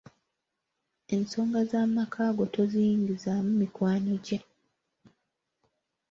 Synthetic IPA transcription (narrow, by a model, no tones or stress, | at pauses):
enso̞ːŋɡazaːmakʰaːɡo̞to̞zijiːɲɟizamumikwaːnoɟe̞